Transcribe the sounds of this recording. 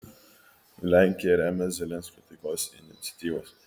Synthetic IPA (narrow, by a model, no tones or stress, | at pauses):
lʲæŋʲkʲijɛɾʲæːmʲɛzʲɛlʲɛnʲsʲkʲɔːt̪ɐɪkoːsɪ̰nʲɪt̪sʲɐ̥t̪ʲiːʋoːs